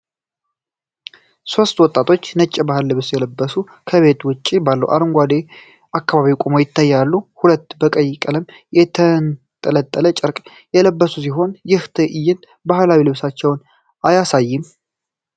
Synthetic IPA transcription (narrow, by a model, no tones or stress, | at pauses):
so̞st̪wɔt̪ʼːat̪ʰo̞t͡ʃːnət͡ʃʼːɪbahɨlːɨβsjɛləbːəsu | kʰəβe̞t̪wʊt͡ʃʼːibalːə̰wʔa̰ɾɨŋɡʷad̪e | ʔakːaβaβikʼomo̞jɪt̪ːajːalːuhulət̪ːbəkʼəjːɪkʼələm | jɛt̪ʰən | t̪ʼələt̪ʼːələt͡ʃʼɪɾkʼ | jɛləbːəsus̬iɦo̞njɪht̪ʰɨʔɪjːɪnd̪ | bahlawilɨβsat͡ʃːɛwn | ajasajːɪm